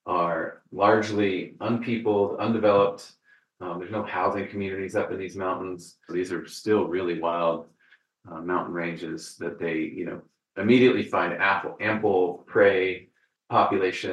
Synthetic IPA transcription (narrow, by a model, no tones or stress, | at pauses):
ʔə˞lɑɹd͡ʒliʔʌ̃npʰipl̩ˠʌ̃ndɨvɛlˠəp̚t | ðə˞znoʊhaʊzɪ̃ŋkʰmjʉnɨɾizʌpɨ̃nðizmãʊ̃nʔn̩z̥ðizə˞stɪlˠɹɪlˠiwaɪlˠd̚ | mãʊ̃nʔn̩ɹẽɪ̃nd͡ʒɪz̥ðɨt̪̚ðeɪjɨ̰no̰ʊ | ɨmiɾiɨʔlifãɪ̃ndæp̩ˠæ̃mpl̩ˠpʰɹ̥eɪ | pʰɑpjɨleɪʃɨ̃